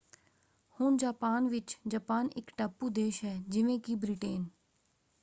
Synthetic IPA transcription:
hʊnd͡ʒaːpaːnʋɪt͡ʃd͡ʒaːpaːnɪ̰kʈaːpːud̪eːʃɦɛːd͡ʒɪʋẽkiːbɾiːʈeːn

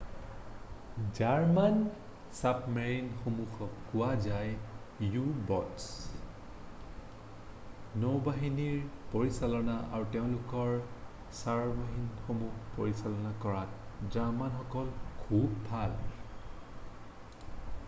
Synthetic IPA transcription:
d͡ʒaɹman | sapmeɹinxomuxɔkʊwazaj | jubɔts | nowbaɦiniɹpoɹisalɔnaʔa̰ɹuteʊ̃lʊkɔɹ | saɹbaɦinxomuxpoɹisalɔnakɔɹatd͡ʒaɹmanxɔkɔlkʰubːʱal

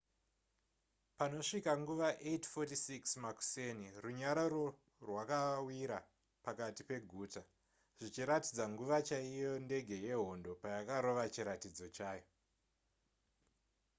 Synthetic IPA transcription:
pano̞ʂikaŋɡuʋaʔetfotisiksmaku̥seniruɲaɾaro | rwakawiɾa | pakatipe̞ɡʱuːta | ʐ̥it͡ʃiɾatid͡zaŋɡuʋat͡ʃaijo̞nde̞ɡʱe̞je̞ɦo̞ndo̞pajakaɾo̞ʋat͡ʃiɾatid͡zo̞t͡ʃaːjo̞

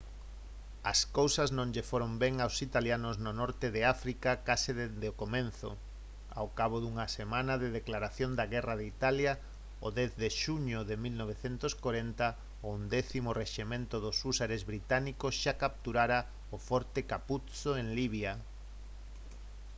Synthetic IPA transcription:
ɐskowsɐznõŋʎefoɾombɛŋawsit̪aljanoznʊnɔɾt̪eðɪafɾikakasɪðed̪eokomẽn̟θʊ̰ | a̰wkaβ̞oðuŋɐsemãnaðeðeklaɾaθjond̪aɣɛraðeit̪alja | ʊðɛθðeʃuɲʊðemilnoβ̞eθent̪oskoɾɛnt̪ɐ | ʊund̪ɛθimoreʃimẽnt̪oðʊsusaɾezβɾit̪anikosʃakap̚t̪uɾaɾa | ʊfɔɾt̪ekaput̪t͡soeŋliβ̞ja

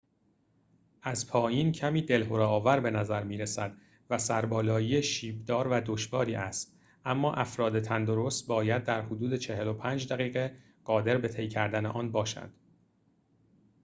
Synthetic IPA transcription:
ʔæzpʰɒːjiːncʰæmiːd̪e̞lɦoɾɒːvæɾbe̞næzæɾmiːɾesæd̪ | væsæɾbɒːlɒːjijeʃiːbd̪ɒːɾvæd̪oʃvɒːɾiːʔæst̪ | ʔæmːɒːʔæfɾɒːd̪e̞t̪ʰænd̪o̞ɾo̞st̪̚bɒːjæd̪̚ːæɾhod̪uːd̪e̞t͡ʃʰe̞he̞lo̞pʰæːnd͡ʒd̪æɣiːɣe̞ | ɢ̥ɒːd̪e̞ɾbe̞t̪ʰe̞jcʰæɾd̪æneʔɒːnbɒːʃæ̰nd̪̥

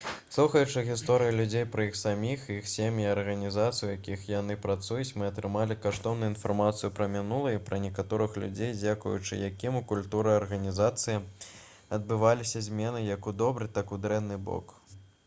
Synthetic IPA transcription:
slˠuxɐjut͡ʂɨɣʲist̪ɔɾɨjilʲud͡zʲejpɾɐixsamʲixjixsʲemʲjiɐrɣɐnʲizat̪sɨjujakʲixjanɨpɾat̪sujut͡sʲmɨɐt̪ɾɨmalʲikaʂt̪ɔwnujinfarmat̪sɨjupɾɐmʲinulˠɐjipɾɐnʲɛkat̪ɔɾɨxlʲṵd͡zʲejd͡zʲakṵjṵt͡ʂɨ̰jakʲimukulʲt̪uɾɨjɐrɣɐnʲizat̪sɨji | ɐd̪̚bɨvalʲisʲɐzʲmʲɛnɨjɐkud̪ɔbɾɨt̪akud̪ɾɛnːɨbɔ̰k

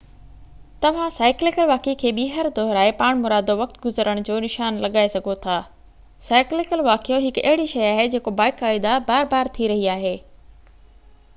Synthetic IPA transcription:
t̪ɐʋ̤ãsaːɪklɪkəlʋaːkekʰeːɓiːɦəɾd̪ɔːɦɾaːepaːɽ̃mʊɾaːd̪oʋɐk̚t̪ɡʊzəɾəɽ̃d͡ʑoːnɪʃaːnlɐɠaːesɐɡʱot̪ʰaː | saːɪklɪkəlʋaːkjoɦɪkɐ̰ɦɪɽiʃɐjaːɦed͡ʑeːkobaːɪkaːɪd̪abaːɾbaːɾt̪ʰiɾɐɦiaːɦeː

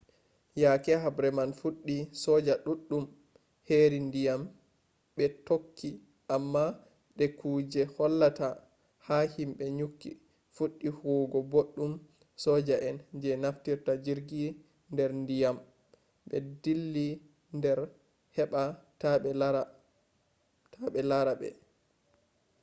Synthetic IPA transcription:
jakɛɦabɾɛmanfuɗːisɔd͡ʒaɗuɗːum | heɾindijam | ɓɛtokʰːi | ʔamːa | ɗɛkʰuːd͡ʒɛhɔlːata | hahimɓɛɲukːḭ | fuɗːihoːɡɔboɗːum | sɔd͡ʒaʔɛnd͡ʒɛnaftiɾtad͡ʒiɾɡi | ndɛɾndijam | ɓɛ̰dilːi | ndɛɾ | hɛɓataɓɛ | tʰaɓɛlaɾabɛ̰

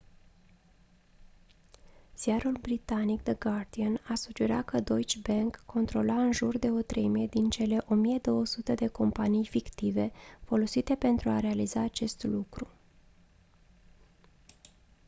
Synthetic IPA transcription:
z̥ijaɾulbɾit̪anik̚d̪əɡard̪ianasud͡ʒeɾa̰kəd̪o̞jt͡ʃbeŋkːo̞nt̪ɾo̞laɨnʒurd̪e̞o̞t̪ɾejmijed̪int͡ʃe̞le̞ʔo̞mije̞d̪o̞wəsut̪əd̪e̞ko̞mpanijfikt̪ive̞fo̞lo̞sit̪e̞pe̞nt̪ɾuaɾe̞alizaːt͡ʃe̞st̪lukɾu

